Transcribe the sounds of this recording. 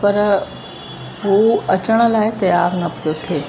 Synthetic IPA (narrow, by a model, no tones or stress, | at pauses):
pɐɾ | ɦuɐt͡ɕəɽ̃ə̆laːɪt̪ɐjaːɾnɐpijot̪ʰeː